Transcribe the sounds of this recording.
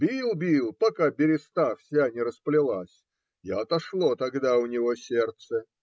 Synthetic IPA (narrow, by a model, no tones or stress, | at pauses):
bʲilˠbʲilˠpɐkabʲɪɾʲɪst̪afsʲanʲɪɾəsplʲɪlˠasʲ | ɐt̪ɐʂlˠot̪ɐɡd̪aʊnʲɪvosʲert̪sə